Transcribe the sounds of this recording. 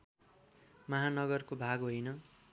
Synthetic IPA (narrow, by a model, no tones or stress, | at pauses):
mʌɦanʌɡʌrkobʱaɡɦojnʌ